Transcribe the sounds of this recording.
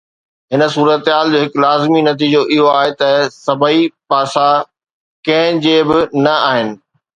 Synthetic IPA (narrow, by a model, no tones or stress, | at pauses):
ɦɪnə̆suːɾət̪ɦaːld͡ʑoːɦɪklaːzminɐt̪̬iːd͡ʑoʔɪɦoaːɦet̪ɐsɐbəipaːsa | kɐ̃ɦɪ̃d͡ʑeːbɪnɐaːɦɪnɪ̆